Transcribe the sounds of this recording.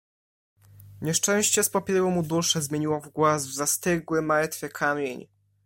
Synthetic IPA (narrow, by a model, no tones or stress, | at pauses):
ɲɛʂt͡ʂɛ̃w̃ɕt͡ɕɛspɔpʲɛɾumud̪uʂɛzmʲjeɲiwɔvɡwazvzast̪ɘɡwɘmaɾt̪fʲjɛkʰamʲjeɲ